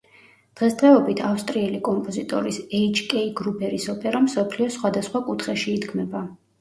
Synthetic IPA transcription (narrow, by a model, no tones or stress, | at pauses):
d̪̥ʁɛsd̪ʁɛɔbit̪ʰafst̪ʼɾiɛlikʼɔmpʼɔzit̪ʼɔ̰ɾisɛit͡ʃkʼɛiɡɾubʰɛɾisɔpʼɛɾamsɔpʰliɔsχwad̪asχwakʼut̪ʰχɛʃiːd̪ɡmɛba